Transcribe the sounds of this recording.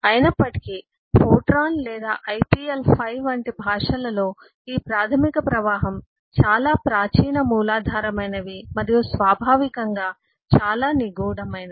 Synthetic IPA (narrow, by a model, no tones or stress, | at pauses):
ɐjnɐpːɐʈi̥ki | pʰoːʈɾaːnlɛːd̪a̰ːʔɐjpiːelpʰɐjʋɐɳʈibʱaːʂɐlɐlo̞ː | iːpɾaːt̪ʰɐmikɐpɾɐʋaːɦɐm | t͡ʃaːlaːpɾaːt͡ʃiːɳɐmuːlaːd̪ʱaːɾɐmɐjnɐʋimɐɾijusʋaːbʱaːʋikɐŋɡaː | t͡ʃaːlaːniɡuːɽɐmɐjnɐ